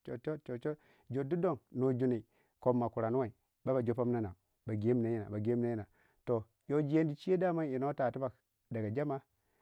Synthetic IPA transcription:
t͡ʃo˨t͡ʃo˦t͡ʃo˨t͡ʃo˦ | d͡ʒo˨du˦do˦˨ŋno˨d͡ʒu˦ni˨ | ko˨mːa˨ku˨ɾa˨nu˦wa˨i˨ | ba˦ba˨d͡ʒo˦pa˦m˦na˦na˨ | ba˨ɡe˨˦m˨na˨ji˦na̰˨ba˨ɡe˦na˦ji˦na˨ | to˨ | jo˦d͡ʒi˨je˦n˦di˨t͡ʃi˦e˦da˦ma˦i˨no˦ta˨tu˦ba˨k | da˨ɡa˨d͡ʒa˦ma˦

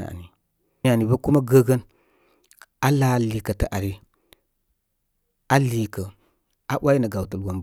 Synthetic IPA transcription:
a̰˨ni˨ | a˨ni˨bə˦ku˦ma˦ɡə˦ɡə˦n | a˦la˦˨li˨kə˨tə˨ʔa˨ɾi˨ | a˦li˨kə˨ | a˦ɓa˦ji˦nə˨ɡa˨wtə˨lwo˨m

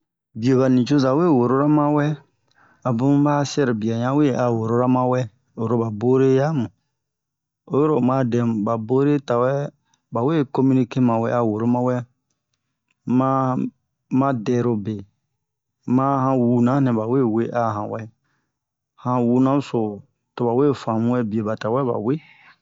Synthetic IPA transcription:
bi˨o˨ka˨nĩ˨t͡ʃo˦za˨we˦˨wo˨ɾo˦ɾa˦mã˦wɛ˦ | a˨bũ˦ba˦sɛ˦ɾbi˨a˨ɲã˦we˦˨a˨wo˨ɾo˦ɾa˦mã˦wɛ˦ | o˨ɾo˦ba˨bo˦ɾe˦ja˦mũ˨ | o˦jo˦ɾo˦mã˦dɛ̃˨ba˨bo˦ɾe˦ta˨wɛ˦ | ba˨we˦˨ko˦mĩ˦ni˦ke˦mã˨wɛ˦a˨wo˨ɾo˦mã˦wɛ˦ | mã˦ | mã˦dɛ˨ɾo˧be˨ | mã˦hã˧wu˨nã˦nɛ̃˨ba˨we˦we˦ʔa˨ɦã̰˨wɛ˦ | hã˨˧wu˧nã˦so˨ | to˨ba˨we˦˨fã˨mũ˦wɛ˦bi˨e˨ba˨ta˨wɛ˦ba̰˨we˦

